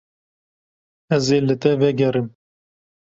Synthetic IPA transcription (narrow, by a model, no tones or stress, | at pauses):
ɛzeːlɨt̪ɛvɛɡɛɾɨm